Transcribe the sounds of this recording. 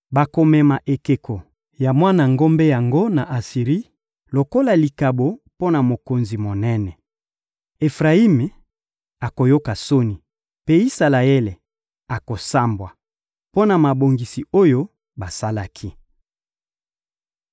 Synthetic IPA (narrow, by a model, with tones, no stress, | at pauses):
ba˨ko˨mɛ˨ma˨ʔe˨ke˨kʰo˨ | ja˨mwa˦na˨ŋɡo˦mbe˦ja˨ŋɡo˦na˨ʔa˨si˨ʁi˦ | lo˨ko˦la˨li˨ka˨bo˨po˦na˨mo˨ko˨nzi˨mo˨nɛ˦nɛ˨ | e˨fʁa˨i˦me˨ | a˨ko˨jo˦ka˨so˦ni˨ | pe˦i˦sa˨la˨e˦le˨ | a˨ko˨sa˦mbwa˨ | po˦na˨ma˨bo˨ŋɡi˨si˨o˦jo˦ | ba˨sa˦la˦kʰi˦